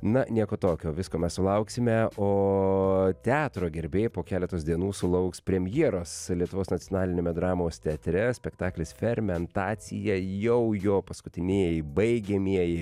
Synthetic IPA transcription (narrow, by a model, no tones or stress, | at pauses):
nɐnʲiɛkoːt̪oːkʲoːʋʲɪskoːmʲɛssʊlˠɐʊksʲɪmʲɛoː | t̪ʲæːt̪ɾoːɡʲɛɾʲbʲeːjpoːkʲæːlʲɛt̪oːsd̪ʲiɛnuːsʊlˠɐʊkspʲɾʲɛmʲjiɛɾoːslʲiɛt̪ʊʋoːsnɐtt͡s̪ʲɪjoːnɑːlʲɪnʲeːmʲɛd̪ɾɑːmoːst̪ʲɛɐt̪ʲɾʲɛsʲpʲɛkt̪ɑːklʲɪsfʲɛrʲmʲɛnt̪ɑːsʲɪjɛjɛʊjoːpɐskʊt̪ʲɪnʲiɛjɪbɐɪɡʲɛmʲiɛjɪ